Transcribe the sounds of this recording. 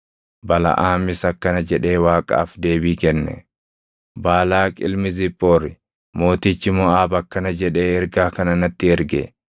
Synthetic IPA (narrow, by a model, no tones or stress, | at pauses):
bɐlɐ̰ʔaːmɪsɐkːɐnɐd͡ʒɛᶑe̞ːwaːkʼa̰ːfd̪e̞ːbiːkɛnːɛ̰ | baːlaːkʼɪlmɪzɪpʼːoːɾɪ | mo̞ːt̪ɪt͡ʃːɪmɔaːbɐkːɐnɐd͡ʒɛᶑe̞ːɛɾɡaːkɐnɐnɐt̪ːɪɛɾɡḛ